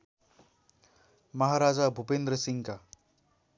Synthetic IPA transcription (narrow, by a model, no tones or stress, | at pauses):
məɦaɾad͡zabʱupend̪ɾəsiŋka